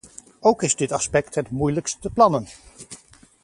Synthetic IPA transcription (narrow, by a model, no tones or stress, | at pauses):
owkɪzdɪtɑspɛk̚tɦɛtmujləksəplɑnən